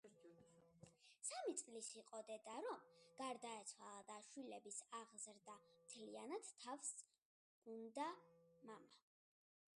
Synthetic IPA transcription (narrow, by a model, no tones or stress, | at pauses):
samit̪sʼlisiqʼɔd̪ɛd̪aɾɔmɡ̥aɾd̪aɛt̪sʰwalˠad̪aʃwilɛbisaʁzɾd̪amt̪ʰlianat̪t̪ʰːafs | ɡ̥und̪amama